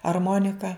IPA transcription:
ɐrˈmoːnʲɪkɐ

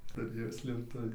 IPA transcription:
tʊˈrʲeːjoː sʲlʲeːpˈtʊʋʲiː

